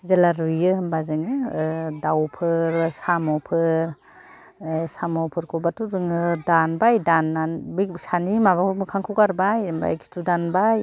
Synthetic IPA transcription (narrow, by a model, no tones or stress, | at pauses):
zelaɾijɯmbazɯŋɯdawpʰɯɾsamɔpʰɯɾ | samɔpʰɯɾkʰɔbatuzɯŋɯdanbajdanːanbisanimaβakʰmɯkʰaŋkʰɯwkaɾbajmba̰jki̥studanbaj